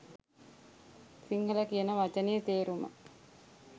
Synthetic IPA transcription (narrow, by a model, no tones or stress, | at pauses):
siŋhələkijənəʋat͡ʃənejet̪eːɾumə̰